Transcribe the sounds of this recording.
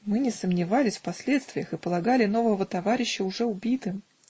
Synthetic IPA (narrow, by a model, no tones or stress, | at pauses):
mɨnʲɪsəmnʲɪvalʲɪsʲfpɐsʲlʲe̞t̪st̪vʲɪjəxɨpəlˠɐɡalʲɪno̞vəvət̪ɐvaɾʲɪɕːəʊʐɛʊbʲit̪ɨ